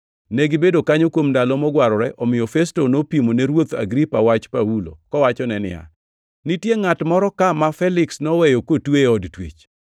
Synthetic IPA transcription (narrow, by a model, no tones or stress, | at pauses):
neɡɪbedokaɲokwomdalɔmɔɡwaɾɔɾɛʔɔmɪjɔfɛstonopimoneɾwot̪a̰ɡɾipawat͡ʃpawulo̰kɔwat͡ʃɔnɛnɪ̰ja̰ | nitjeŋatmɔɾɔkamafɛlɪksnɔwɛjɔkotweɔdtwḛt͡ʃ